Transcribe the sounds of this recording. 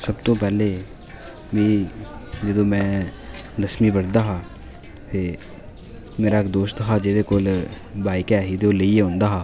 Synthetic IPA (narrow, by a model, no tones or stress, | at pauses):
sɐbt̪õpɛːle | mĩ | d͡ʒɐd̪omɛ̃ | d̪ɐsmibɐɽd̪aɦa | te | meːɾakd̪oːst̪ɦad͡ʒed̪ekol | baːɪkeaːɦit̪eoleieɦõnd̪aɦaː